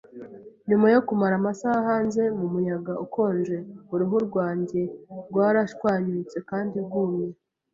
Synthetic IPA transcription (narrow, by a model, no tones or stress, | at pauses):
ɲumajo̞kumaɾamasahahaːnze̞mumujaɡauko̞ːnʒe̞uɾuɦuɾɡwaːɲɟe̞ɾɡwaːɾaʃkwaːɲuːt͡se̞kaːndibɡuːmɲe